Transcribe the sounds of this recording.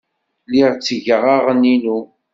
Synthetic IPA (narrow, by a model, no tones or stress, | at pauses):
liʁt͡sːəʝəʁaʁəninu